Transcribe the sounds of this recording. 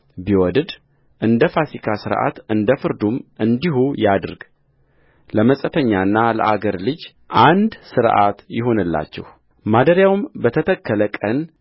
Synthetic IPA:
biwɔd̪d̪ | ʔɨnd̪əfasikʰasɨɾʔa̰t̪ɨnd̪əfɨɾd̪umʔɨnd̪iɦujad̪ɾɡ̥ | ləməsʼət̪ʰəɲːaɨnːalə̰ʔaɡəɾlɨd͡ʒ | ʔand̪sɨɾʔa̰t̪jɪɦo̞nɨlːa̰t͡ʃːɛ̰h | mad̪əɾjawmbət̪ʰət̪ʰəkʰːələkʼən

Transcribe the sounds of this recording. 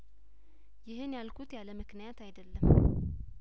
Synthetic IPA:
jɪɦɨnjalkʰut̪jaləmɨknijat̪ʰajd̪əlːəm

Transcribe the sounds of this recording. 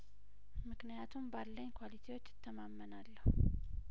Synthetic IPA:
mɨknijat̪ʰumbalːəɲːkʰʷwalit̪ʰewo̞t͡ʃːɪt̪ʰːəmamːənalːəhu

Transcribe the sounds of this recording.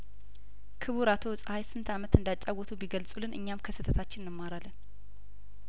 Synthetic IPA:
kʰɨβuɾat̪ʰo̞sʼəhajsɨnt̪ʰamət̪ɨnd̪at͡ʃʼːaɡʷɔt̪ʰubiɡəlsʼulɨnʔɨ̰ɲːamkʰəsɨt̪ʰət̪ʰat͡ʃːɪnːɨmːaɾalːən

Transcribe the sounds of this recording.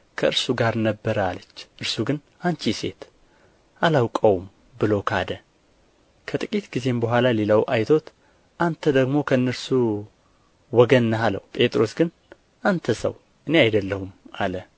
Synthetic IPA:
kʰəɨɾsuɡaɾnəbːəɾəalət͡ʃːʔɨɾsuɡɨn | ant͡ʃʰise̞̰t̪ | ʔalawkʼəwum | bɨlo̞kʰad̪ə | kʰət̪ʼɨkʼit̪ɡize̞mbəɦʷalaliləwʔajt̪ʰo̞t̪ | ʔant̪ʰəd̪əɡmo̞kʰəɨnːəɾsu | wɔɡənːəɦalə̰wpʼe̞t̪ʼɾo̞sɡɨn | ʔant̪ʰəsə̰w | ʔɨne̞ajd̪əlːəhuma̰lə

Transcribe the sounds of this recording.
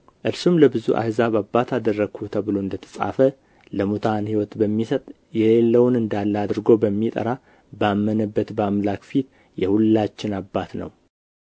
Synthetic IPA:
ʔɨɾsumləbɨzuʔa̰hzaβabat̪ʰad̪ərːəɡ̥ʰut̪ʰəβɨloɨnd̪ət̪ʰə̥sʼa̰fə | ləmut̪ʰanhiwɔt̪bəmːisət̪ʼ | jɛlelːəwʊnɨnd̪alːad̪ɨɾɡo̞bəmːit̪ʼə̰ɾa | bamːənəbːət̪bamlakfit̪ | jɛhulːat͡ʃːɪnabːat̪nə̰w

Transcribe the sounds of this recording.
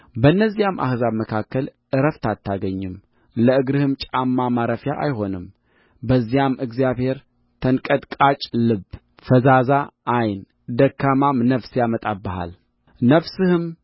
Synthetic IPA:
bənːəzːijamːʔa̰hzaβməkʰakʰːəlʔɨɾəft̪ʰat̪ʰːaɡəɲːɨm | ləɨɡɾɨhɨmt͡ʃʼamːamaɾəfjaʔa̰jho̞nɨm | bəzːijamɨɡzijaβhe̞ɾ | t̪ʰənkʼəd̪kʼat͡ʃʼlɨb | fəzazaʔːjn | d̪əkːamamnəfsjamət̪ʼabːəha̰l | nəfsɨhɨm

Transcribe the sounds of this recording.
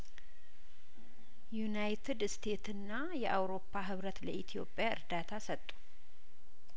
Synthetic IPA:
jjunajt̪ʰɨd̪st̪ʰe̞t̪ɨnːa | jɛʔawɾo̞pʰːaɦɨβɾət̪ləʔit̪ʰijo̞̰pʼːjaɨ̰ɾd̪at̪ʰasət̪ʼːu̥

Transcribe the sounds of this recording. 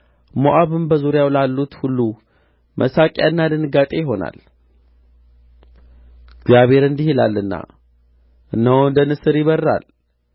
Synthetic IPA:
moʔaβɨmbəzuɾjawlalːut̪hulːu | mʔə̰sakʼja̰ɨnːad̪ɨnɨɡat̪ʼe̞jɪɦo̞na̰l | ɡzjaβhe̞ɾɨnd̪ihila̰lːɨnːa̰ | ʔɨnːəwɨnd̪ənɨsɨɾjɪβərːa̰l

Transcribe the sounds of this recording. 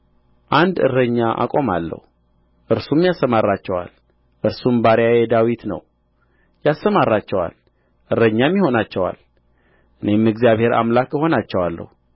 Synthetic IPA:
ʔand̪ɨ̰rəɲːaʔa̰kʼo̞malːə̰hu | ʔɨɾsumjasːəmarːat͡ʃːɛwa̰l | ʔɨɾsumbaɾjajed̪awit̪nə̰w | jasːəmarːat͡ʃːɛwa̰l | ʔɨrːəɲːamːiho̞nat͡ʃːɛwa̰l | ʔɨne̞mɨɡzijaβhe̞ɾa̰mlakəho̞nat͡ʃːɛwalːə̰hu

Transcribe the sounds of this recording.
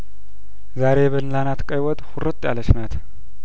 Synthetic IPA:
zaɾeβɐnlanat̪kʼɐjwɔt̪ʼxʊɾɨt̪ʼːja̰lɐʃnat̪

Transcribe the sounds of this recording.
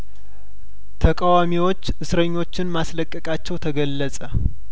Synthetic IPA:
t̪ʰəkʼawamiwo̞t͡ʃːɨsɾəɲːo̞t͡ʃːɪnmasləkʼːəkʼat͡ʃːɛwt̪ʰəɡəlːəsʼə

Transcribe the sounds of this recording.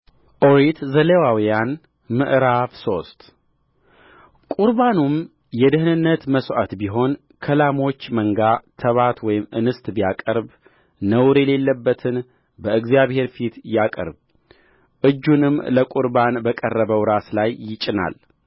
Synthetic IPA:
ʔoɾit̪zəlewawijan | mɨʔɾafso̞st̪ | kʼuɾbanum | jɛd̪ɨhɨnɨnːət̪məsʔat̪biɦo̞n | kʰəlamo̞t͡ʃːməŋɡat̪ʰəβat̪wɔjɪmʔɨ̰nɨst̪ʼbijakʼəɾb | nəwɾɛle̞lːəbːət̪ʰɨn | bəɨɡzijaβhe̞ɾfit̪jakʼə̰ɾb | ʔɨd͡ʒːunɨmləkʼuɾbanbəkʼərːəβəwɾaslajːɪt͡ʃʼɪna̰l

